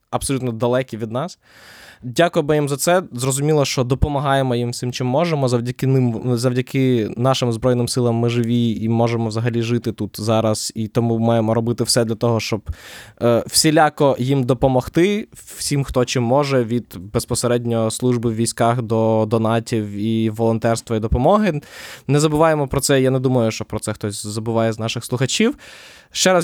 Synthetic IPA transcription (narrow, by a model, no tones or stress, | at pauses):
ɐbsɔlʲut̪nɔd̪ɐlˠɛkʲiʋʲid̪nɑs | dʲakʊjɛbɪjimzɐt̪sɛzrɔzʊmʲilˠɐʃt͡ʃɔd̪ɔpɔmɐɦɑjemɔjimwsʲɪmt͡ʃɪmːɔʒemɔzɐwdʲɐkɪnɪmzɐwdʲɐkɪnɑʃɪmzbɾɔjnɪmsɪlˠɐmːɪʒɪʋʲiimɔʒemɔʋzɐɦɐlʲiʒɪt̪ɪt̪ut̪zɑɾɐsit̪ɔmumɑjemɔɾɔbɪt̪ɪwsɛd̪lʲɐt̪ɔɦɔʃt͡ʃɔb | w̥sʲilʲakɔjimd̪ɔpɔmɔxt̪ɪwsʲimxt̪ɔt͡ʃɪmːɔʒɛʋʲid̪bespɔseɾɛdʲnʲɔslˠuʒbɪwʲʋʲijsʲkɑxd̪ɔd̪ɔnɑtʲiwiʋɔlˠɔnt̪ɛrst̪ʋɐid̪ɔpɔmɔɦɪnɛzɐbʊʋɑjemɔpɾɔtsɛjanɛd̪umɐjʊʃt͡ʃɔpɾɔtsɛxt̪ɔsʲzɐbʊʋɑjɛznɑʃɪxslˠʊxɐt͡ʃʲiw | ʃt͡ʃɛɾa